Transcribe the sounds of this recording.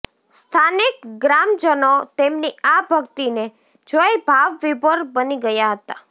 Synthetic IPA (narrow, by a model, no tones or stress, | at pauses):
st̪ʰanɪkɡɾamd͡ʒənot̪emniabʱəkt̪ine | d͡ʒojbʱaʋːibəɾbəniɡəjaɦət̪a